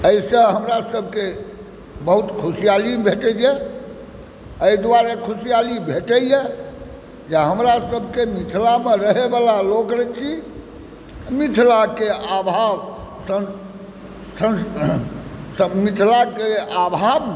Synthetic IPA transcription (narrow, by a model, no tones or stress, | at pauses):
əsə̃ɦəmɾasəb̚ʱke | bəɦut̪kʰusijalibʱeʈɛd͡ʒɛ | əid̪aɾekʰusijalibʱeʈəje | d͡ʒeɦəmɾasəbʱkemit̪ʰlameɾəɦebalalokɾɛt͡ʃʰi | mit̪ʰlakeabʱab | sə | sə | səmit̪ʰlakeabʱab